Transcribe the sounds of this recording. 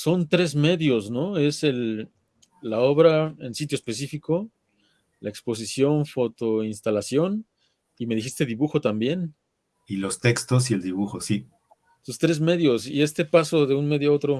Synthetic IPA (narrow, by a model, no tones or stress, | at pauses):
so̞nt̪ɾe̞zme̞ðjo̞sno̞e̞se̞lː | ao̞βɾae̞̰nsit̪joespe̞sifiko̞ | lae̞kspo̞s̬isjo̞nfo̞t̪o̞inst̪alasjo̞n | ime̞ðixist̪e̞ðiβuxo̞t̪ambje̞n | ilo̞st̪e̞kst̪os̬ield̪iβuxosi | sost̪ɾe̞zme̞ðjo̞sḭest̪e̞paso̞ðe̞unme̞ðjoao̞t̪ɾo